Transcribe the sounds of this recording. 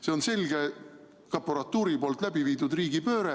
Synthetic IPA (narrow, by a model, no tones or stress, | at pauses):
se̞onse̞lʲɡ̥e | kɑpːoɾɑt̪ːˑuːɾipo̞ːlt̪ˑlæbiviːd̪̥ud̪riːɡ̥ipø̞ːɾe